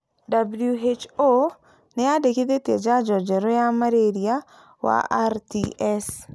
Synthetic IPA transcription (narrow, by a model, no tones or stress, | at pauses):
dabljuɦet͡ʃo | nɛadeked̪et̪ed͡ʒad͡ʒɔd͡ʒɛɾojamaɾeɾia | wa̰ʔa̰ɾtiʔɛs